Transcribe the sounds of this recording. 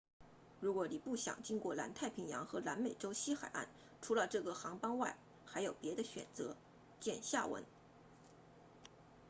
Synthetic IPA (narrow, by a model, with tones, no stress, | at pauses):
ɻu˧˥kwɔ˧˥ni˨˩pu˥˩ɕjɑ̰˨˩ŋt͡ɕi˥ŋkwɔ˥˩la̰˧˥nt̪ʰa˥˩ɪpʰi˧˥ŋjɑ̰˧˥ŋxɤ˧˥la˧˥nme˨˩ɪʈ͡ʂo˥ʊɕi˥xa˨˩ɪʔa̰˥˩n | ʈ͡ʂʰu˧˥lə˧ʈ͡ʂɤ˥˩ɡə˩xɑ˧˥ŋpɑ˥ŋwa˥˩ɪ | xa˧˥ɪjo˨˩ʊpjɛ˧˥d̪ə˧ɕɥɛ̰˨˩nt͡sɤ˧˥ | t͡ɕjɛ˥˧nɕja̰˥˩wə̰˧˥n